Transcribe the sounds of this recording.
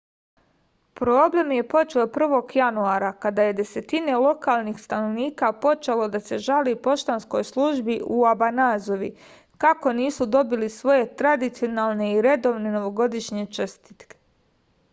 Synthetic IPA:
pɾo̞ːble̞mje̞po̞t͡ʃeopr̩ʋo̞ɡjanuaːɾakad̪aːje̞d̪e̞se̞t̪ine̞lo̞kaːlˠnixst̪ano̞ʋniːkapo̞t͡ʃelo̞d̪ase̞ʒalipo̞ʃt̪ansko̞jslˠuʒbiʔuabanaːzo̞ʋi | kako̞niːsud̪o̞bilisʋo̞je̞t̪ɾad̪it̪sijo̞naːlˠne̞iɾe̞d̪o̞ʋneno̞ʋo̞ɡo̞d̪iʃɲet͡ʃst̪i̥t̪ke̥

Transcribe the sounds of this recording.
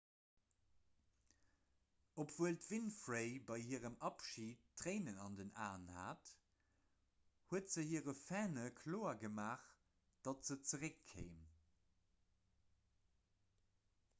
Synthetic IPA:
opv̥uəltvinfʁeɪbɑɪhiːʁəmɑpʃiːtʁ̥eɪnənɑndənaːnha̰ːt | huətz̥əhiəʁəfɛːnəkʰloːɐɡəmaːχ | d̥ɑtz̥ət͡səʁəkʰːḛɪm

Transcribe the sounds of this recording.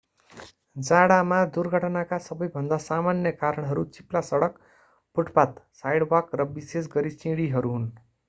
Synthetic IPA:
d͡zaɽamad̪urɡʱʌʈnakasʌbʌjbʱʌnd̪asamanjʌkaɾʌɽ̃ɦʌɾut͡siplasʌɽʌk | puʈpat̪sajɽwʌkrʌbisesɡʌɾit͡sĩɽiɦʌɾuɦun

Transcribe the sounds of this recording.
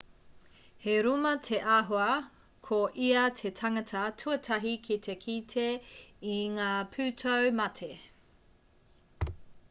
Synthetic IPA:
heɾumɐtʰe̞ʔaɦoɐ | kʰoʔiɐtʰe̞tʰɐŋɐtʰɐtʰuɐtʰɐɦikʰitʰekʰitʰeiŋaːpʰʉːtʰowmɐtʰe

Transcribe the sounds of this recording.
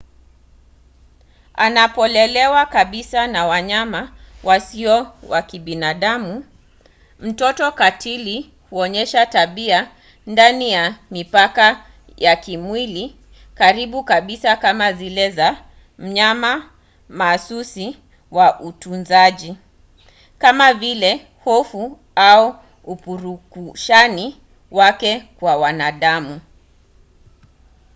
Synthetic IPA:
anapɔlɛlɛwakaɓisanawaɲamawasiɔwakiɓinaɗamu | m̩tɔtɔkatʰili | huɔɲɛʃataɓia | ndanijamipaka | jakimwili | kaɾiɓukaɓisakamazilɛza | m̩ɲama | maːsusi | waʔutunzaʄi | kamavilɛ | hɔfu | au | upuɾukuʃani | wakɛkwawanaɗamu

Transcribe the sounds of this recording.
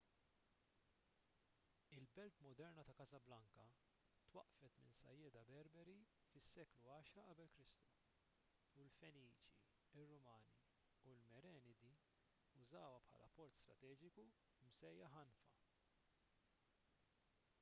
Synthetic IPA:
ɪlbɛlt̪mɔd̪ɛɾnɐt̪ɐkɐzɐblɐŋkɐ | t̪wɐ̰ʔfɛt̪mɪ̰nsɐ̰jːɛːd̪ɐbɛɾbɛɾi | fɪsːɛːkluɐːʃɾɐʔɐbɛlkɾɪst̪u̥ | ulfɛniːt͡ʃḭ | ɪrːʊmɐːni | ulmɛɾɛːnɪd̪i | ʊzɐːwɐpħɐ̰ːlʔɐpːɔɾt̪st̪ɾɐ̰t̪ɛːd͡ʒɪku | msɛjːɐħɐnfɐ̰

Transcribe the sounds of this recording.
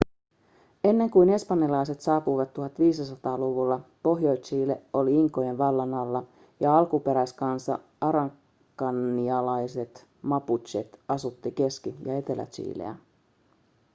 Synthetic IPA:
e̞nːe̞ŋkujne̞spɑnːjɑlɑjset̪sɑːpujʋɑt̪ːuɦɑt̪ʋiːsisɑt̪ɑːluʋulːɑpo̞ɦjojt͡ʃiːle̞o̞liiŋkːˑoje̞nʋɑlːɑnɑlːɑ | jɑɑlkupe̞ɾæskɑnsɑ̰ | ɑɾɑŋ | kːɑnːiɑlɑjse̞t̪ | mɑput͡ʃet̪ɑsut̪ːike̞skijɑe̞t̪e̞læ̰t͡ʃḭːlḛæ̰

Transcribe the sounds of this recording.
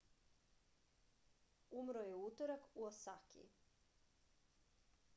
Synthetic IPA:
umɾojeut̪oɾakuosakḭ

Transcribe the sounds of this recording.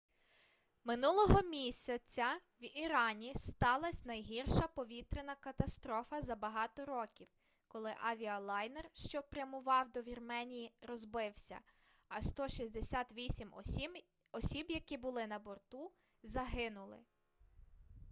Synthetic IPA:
mɪnulˠɔɦɔmʲisʲɐt͡sʲːɐwiɾɑnʲist̪ɑlˠɐsʲnɐjɦirʃɐpɔʋʲit̪ɾɪnɐkɐt̪ɐst̪ɾɔfɐzɐbɐɦɑt̪ɔɾɔkʲiw | kɔlˠɪʔɐʋʲiɐlˠɑjnerʃt͡ʃɔpɾʲjɐmʊʋɑwd̪ɔʋʲirmɛnʲijiɾɔzbɪwsʲɐ̰ | ɐst̪ɔʃʲizʲd̪esʲat̪ʋʲisʲim | ɔsʲibjɐkʲibʊlˠɪnɐbɔrt̪u | zɐɦɪnʊlˠɪ̰

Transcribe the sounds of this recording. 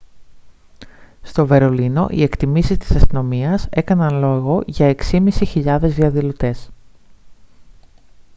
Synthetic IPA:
st̪o̞ve̞ɾo̞lino̞̰ʔḭe̞kt̪imisist̪i̥sɐst̪ino̞miɐse̞kɐnɐnlo̞ɣo̞ʝɐe̞ksimisiçiʎɐðe̞zðiɐðilot̪e̞s

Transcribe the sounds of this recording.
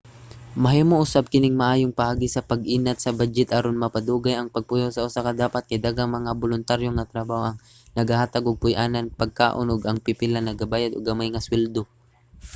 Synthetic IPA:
mɐɦimoʔʊsab̚kɪnɪŋmɐʔaːjoŋpɐʔaːɡisɐpɐɡʔiːnɐt̪̚sɐbad͡ʒɛt̪ʔɐɾonmɐpɐd̪uːɡɐjɐŋpɐɡ̚pʊjosɐʔʊsakɐd̪aːpɐt̪̚kɐd̪aɡaŋmɐŋabolʊnt̪aɾjoŋɐt̪ɾɐbaːhoʔɐŋ | nɐɡɐhaːt̪ɐɡoɡ̚pʊjʔaːnɐnpɐɡ̚ka̰ːʔonʔoɡɐŋpɪpɪlanɐɡɐbaːjɐd̪o̰ɡɐmajŋɐswɛld̪o

